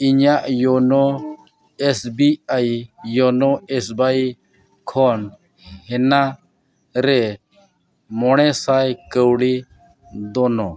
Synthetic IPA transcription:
iɲaʔjɔnɔ | ɛsbiajjɔnɔɛsbaj | kʰɔn | hɛna | ɾɛ | mɔɽ̃ɛsajkəwɽi | d̪ɔnɔ

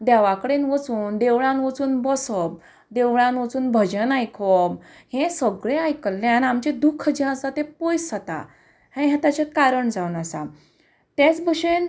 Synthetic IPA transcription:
d̪aʋakəɽenʋət͡suːnd̪eʋɭãnʋət͡suːnbɔsəb̚ | d̪eʋɭãnʋət͡suːnbʱəd͡ʑənajkʰɔb | hẽsəɡɭeajkəlːeanamt͡ɕed̪ukʰːd͡ʑɛ̃asat̪ẽpɔjsət̪a̰ | hẽɦãt̪at͡ɕekaɾəɳd͡zawnasa̰ | t̪et͡sbəɕen

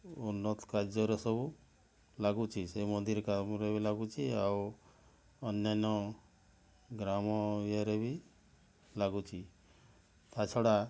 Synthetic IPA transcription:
unːɔt̪ɔ̥kaɾd͡ʒɔɾɔsɔbu | laɡut͡ʃʰisemɔnd̪iɾkamɾebilaɡut͡ʃʰiaw | ɔnjanɔ | ɡɾamɔijaɾebi | laɡut͡ʃʰi | t̪at͡ʃʰɔɽa

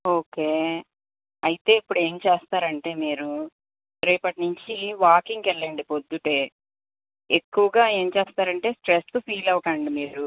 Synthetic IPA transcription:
o̞ːke̞ː | ɐjit̪e̞ːipːuɽe̞ːmt͡ʃeːst̪aːɾɐɳʈe̞ːmiːɾu | ɾɐpɐʈnuɲt͡ʃiʋaːkiŋɡɛɭːɐɳɖipod̪ːuʈe̞ː | ekːuʋɐɡaːe̞ːnt͡ʃeːst̪aːɾɐɳʈe̞ːsʈɾestupʰiːlɐwukɐːɳɖimiːɾu

